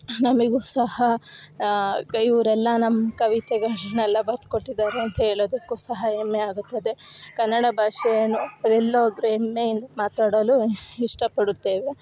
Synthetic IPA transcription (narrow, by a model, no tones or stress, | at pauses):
nɐmɐɡuːsɐhɐ | iʋɾɛlːɐnɐmːɐkɐʋit̪eɡenɛlːɐbɐɾt̪ko̞ʈːid̪aːɾeɐnt̪ɐɦeːɭoːd̪ɐkːuːsɐɦɐemːeaːɡut̪ːɐd̪e̞kɐnːɐɽɐbʱaːʂɐjɐnuɐʋɛlːoːd̪ɾuemːeind̪ɐmaːt̪aːɽɐluiʂʈɐpɐɽut̪ːeːʋe